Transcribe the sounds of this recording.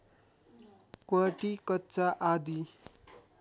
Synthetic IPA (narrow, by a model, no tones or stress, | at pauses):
kwaʈikʌtːt͡saʔad̪i